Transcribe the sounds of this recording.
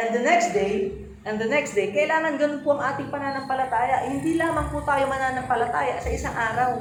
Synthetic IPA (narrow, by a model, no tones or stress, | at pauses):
ʔɛ̃nd̪ɐnɛksd̪ej | ʔɛnd̪ɐnɛksd̪ejkɐʔɪlaːŋɐnɡɐnʊnpoʔɐŋʔaːt̪ɪŋpɐnaːnɐŋpɐlɐt̪aːjɐʔhɪnd̪iːlaːmɐŋput̪aːjomɐnaːnɐŋpɐlɐt̪aːjɐʔsɐʔɪsaŋʔaːɾɐw